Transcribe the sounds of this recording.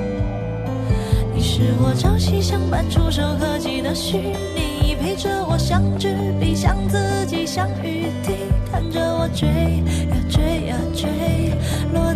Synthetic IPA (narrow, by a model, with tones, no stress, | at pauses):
ni˨˩ʂɻ̩˥˩wɔ˨˩ʈ͡ʂɑ˥ʊɕi˥ɕjɑ˥ŋpa˨˥nʈ͡ʂʰu˥ʂo˨˩ʊkʰɤ˥˧t͡ɕi˨˩d̪ə˧˦ɕy˥˩ | ni˨˩i˨˩pʰe˧˥ɪʈ͡ʂə˧wɔ˨˩ɕjɑ˥ŋʈ͡ʂ̩˥li˨˩ɕjɑ̰˥ŋt͡sɹ̩˥˧˩t͡ɕi˨˩ɕjɑ˥ŋy˧˥ | t̪ʰi˥˩t̪ʰa˥˧˩nʈ͡ʂə˧wɔ˨˩t͡ɕwe˧˥ɪja˨˩ʈ͡ʂe˥ɪa˨˩ʈ͡ʂwe˧˥ɪ | lwɔ˥˧